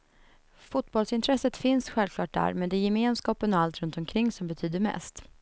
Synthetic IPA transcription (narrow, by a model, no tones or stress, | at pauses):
fʊt̪bɔlsɪnt̪ʰɾɛsːət̪fɪnsɧɛlvkʰlɑːʈ̚d̪æ̰ːɾmɛnd̪ɛjɛmeːnskɑːpənɔalt̪ɾɵnt̪ɔmkʰɾɪŋːsɔmbɛt̪ʰyːd̪əɾmɛ̰st̪